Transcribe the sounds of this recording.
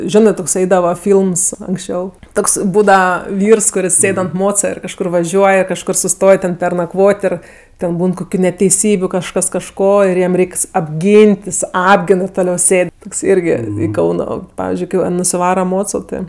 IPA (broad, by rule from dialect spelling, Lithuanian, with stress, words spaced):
ˈʒʲoːnɜ toːks ˈɐɪdɐʋɐ ˈfʲiːlˠms ɐŋksʲˈt͡ʃʲɛʊ ˈtoːks ˈbuːdɐʋɐ ˈʋʲiːrs kʊˈrʲɪs ˈsʲeːt ɐnt ˈmoːt͡sɐ ɪr kɐʃˈkʊr ʋɐˈʒʲuɔj ɪr kɐʃˈkʊr sʊˈstoːj tʲɛn pʲɛrnɐˈkʋoːtʲ ɪr tʲɛn ˈbuːn koːˈkʲuː nʲɛtʲɛɪˈsʲiːbʲʊ kɐʃˈkɐs kɐʃˈkoː ɪr ˈjɛm ˈrʲɛɪks ɐbʲˈɡʲiːnʲtʲ jɪs ˈɑːbʲɡʲɪn ɪr toːˈlʲɛʊ ˈsʲeːt toːks ˈɪrʲɡʲɪ ˈkɐʊnoː ˈpɑːʋʲɪzʲd͡ʒʲʊɪ ˈkɜ ʋɐ nʊsʲɪˈʋɑːrɐ ˈmoːt͡soː ˈtɜ